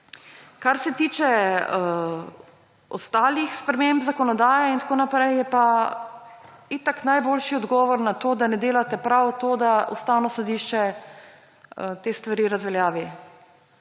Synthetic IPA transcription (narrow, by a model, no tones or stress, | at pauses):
kaɾsɛt̪iːt͡ʃɛ | ɔst̪aːlixspɾɛmembzakɔnɔd̪aːjɛint̪akoːnapɾɛjjɛpa | it̪aknajboːlʃiɔd̪ɡɔːʋɔɾnat̪oːd̪anɛd̪eːlat̪ɛpɾawt̪oːd̪aust̪aːwnɔsɔd̪iʃt͡ʃɛ | ət̪eːst̪ʋaɾiːɾazʋɛljaːʋi